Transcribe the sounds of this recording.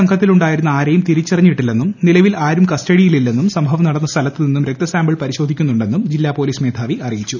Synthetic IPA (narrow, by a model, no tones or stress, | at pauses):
ɐŋɡʰʱɐt̪ːiluɳɖaːjiɾunːɐaːɾɐjumt̪iɾit͡ɕːirɐɲːiʈːilːe̞nːumnilɐʋilaːɾumkɐstɐɽijililːe̞nːumsɐmbʱɐʋɐnɐɽɐnːɐst̪ʰɐlɐt̪ːɨninːumɾek̚t̪ɐsaːmbɐɭpɐɾiɕo̞d̪ʱikʲːunːuɳɖe̞nːumd͡ʑilːaːpo̞ːliːsme̞ːd̪ʱaːʋiʔɐrijit͡ɕːu